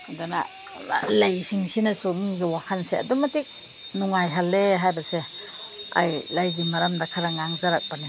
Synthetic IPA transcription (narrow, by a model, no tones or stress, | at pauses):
dana | lajsiŋsʰinɐsumiɡawakʰansea̰dumatik̚ | nuŋajɦalːeɦajbɐse | a̰jlajɡimɐɾamdakʰaɾaŋaŋzaɾak̚bani